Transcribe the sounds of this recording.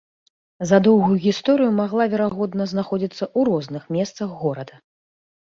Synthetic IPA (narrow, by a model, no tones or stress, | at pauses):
zɐd̪ɔwɣujuɣʲist̪ɔɾɨjumaɣlˠavʲɛɾaɣɔd̪nɐznaxɔd͡zʲit̪sːɐʔuɾɔznɨxmʲɛst̪sɐɣːɔɾɐd̪ɐ